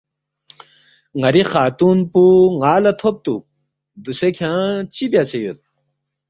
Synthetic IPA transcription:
ŋɐɾixaːt̪uːnpuŋaːlɐt̪ʰop̚t̪ṵ | d̪usekʰãːt͡ɕibjat͡ɕejut̪̚

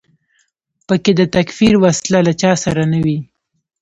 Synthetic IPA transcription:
pəked̪ət̪akfiɾwaslalat͡ʃɑsaɾanawi

